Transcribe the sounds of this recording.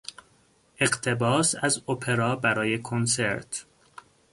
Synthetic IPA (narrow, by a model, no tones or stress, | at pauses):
ʔe̞ɡt̪ʰe̞bɒːsæzopʰe̞ɾɒːbæɾɒːje̞kʰonse̞ɾt̪ʰ